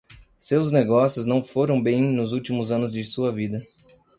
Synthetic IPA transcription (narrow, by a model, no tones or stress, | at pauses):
sewzneɡɔsjʊznɐ̃w̃foɾɐ̃w̃bẽj̃nʊzuwt͡ʃimʊzɐ̃nʊzd͡ʒɪsuɐvid̪ɐ